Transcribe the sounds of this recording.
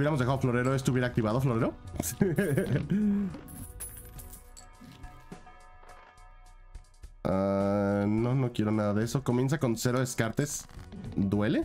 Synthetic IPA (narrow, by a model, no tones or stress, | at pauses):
jeɾamozðexaðoflo̞ɾe̞ɾoest̪uβje̞ɾak̚t̪iβaðofloɾe̞ɾo̞ | a | no̞no̞kje̞ɾo̞naðaðeeso̞ko̞mje̞ns̬ako̞nseɾoðeskaɾt̪es | d̪we̞le̞